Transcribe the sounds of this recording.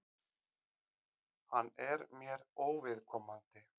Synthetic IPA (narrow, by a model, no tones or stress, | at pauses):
hanːɛɾmjɛɾoːwvɪðkʰɔːmant̪ɪ